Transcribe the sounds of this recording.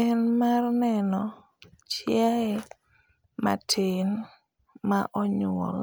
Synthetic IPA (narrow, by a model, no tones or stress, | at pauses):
ɛnmarnɛnɔ | t͡ʃjaɛ | ma̰tʰen | maʔɔɲɔ̰l